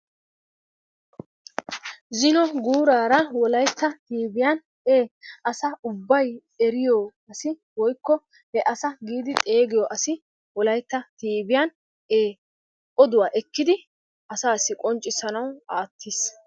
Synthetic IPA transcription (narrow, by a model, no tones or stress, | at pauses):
zɪnɔɡuːɾaːɾɐwɔlɐjt̪ːɐt̪iːbɪjan | eːʔɐsɐʊbːɐj | ɛɾɪjɔɐsɪ | wɔjkːɔ | hɛʔɐsɐɡiːd̪ɪt̪ʼe̞ːɡɪjɔʔɐsɪ | wɔlɐjt̪ːɐt̪iːbɪjan | eː | ʔɔd̪ʊwaːʔɛkːɪd̪ɪ | ʔɐsaːsɪkʼɔnt͡ʃʼːɪsɐnɐwaːt̪ʰːiːs